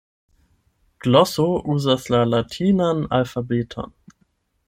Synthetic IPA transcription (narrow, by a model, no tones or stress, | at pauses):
ɡ̥lɔsoʔuːzaslalatʰiːnana̰lfabeːtʰɔ̰n